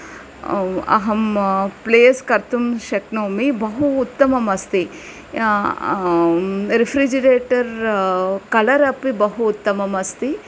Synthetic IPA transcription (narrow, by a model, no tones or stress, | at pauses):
ɐ̰ɦɐmpleːskɐɾt̪umʃɐknoːmibɐɦuːt̪ːɐmɐmɐst̪i | ɾifʰɾid͡ʒɐɾeːʈɐɾ | kɐlɐɾɐpibɐɦuːt̪ːɐmɐmɐst̪i